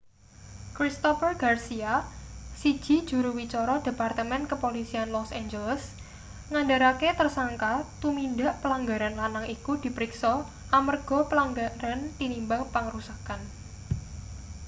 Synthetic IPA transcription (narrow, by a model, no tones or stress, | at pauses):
kɾist̪ɔfərɡ̥arsiasi̥d͡ʒ̥i̤̥d͡ʒ̥ṳɾuwit͡ʃɔɾɔd̥e̤part̪əmɛnkəpolisianlɔsend͡ʒələs | ŋandaɾaket̪ərsaŋkat̪umindaʔpəlaŋɡaɾanlanaŋikud̪̥i̤pəɾiksɔ | ʔamərɡ̥ɔ̤pəlaŋɡaɾant̪inimbaŋpəŋəɾusakan